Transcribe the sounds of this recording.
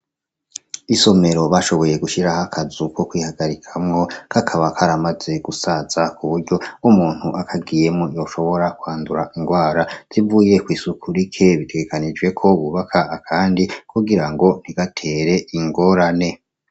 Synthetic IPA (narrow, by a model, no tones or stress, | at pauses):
iso̞me̞ɾo̞βaʃo̞βo̞je̞ɡuʃiɾahakʰazuko̞kwiːhaɡaɾikʰamŋo̞kʰakʰaβakʰaɾamaze̞ɡ̥usaz̥akʰuβuɾɟo̞umuːn̥huʔakʰaɡije̞mŋojo̞ʃo̞βo̞ɾakwaːnduɾaʔiŋɡwaːɾaz̥ivuːje̞kwiːsukʰuɾikʰe̞βitʰe̞ɡe̞kanid͡ʒɡe̞kʰo̞βuβakʰaːkʰaːndikuɡiɾaŋɡo̞n̥iɡ̥atʰe̞ːɾe̞ʔiŋɡo̞ːɾane̞